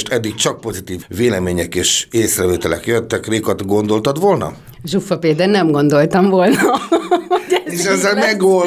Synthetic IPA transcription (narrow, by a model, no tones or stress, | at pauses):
ʃt̪ɛd̪ːik̚t͡ʃɒk̚po̞zit̪iːvːeːlɛmeːɲɛkeːʃeːsrɛveːt̪ɛlɛ̰kjøt̪ːɛkreːkot̪ɡo̞nd̪o̞lt̪ɒt̪ʋo̞lnɒ̰ | ʒufːɒpeːd̪ɛnnːɛmɡo̞nd̪o̞lt̪ɒmvolnɒ | ɛeʃɛzːɛlmɛɡol